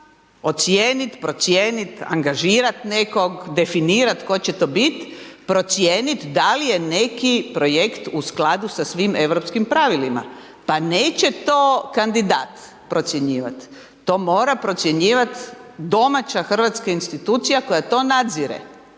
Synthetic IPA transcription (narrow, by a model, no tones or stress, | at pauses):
o̞t̪sjeːnit̪pɾo̞t̪sjeːnit̪a̰ŋɡaʒiːɾat̪neko̞ɡd̪e̞finiːɾat̪ko̞t͡ɕe̞t̪o̞bit̪pɾo̞t̪sjeːnit̪d̪alije̞ne̞kipɾo̞je̞kt̪usklad̪usasʋime̞ʋɾo̞pskimpɾaʋilima̰ | paneːt͡ɕe̞t̪oːkand̪id̪aːt̪ | pɾo̞t̪sje̞ɲiːʋa̰t̪ː | o̞ːmo̞ːɾapɾo̞t̪sje̞ɲiːʋat̪d̪o̞mat͡ɕaxr̩ʋat̪skainst̪it̪uːt̪sijako̞jat̪o̞nad̪ziɾḛ